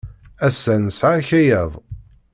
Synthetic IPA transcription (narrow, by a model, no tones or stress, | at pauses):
æsːænsʕaçæjæðˤ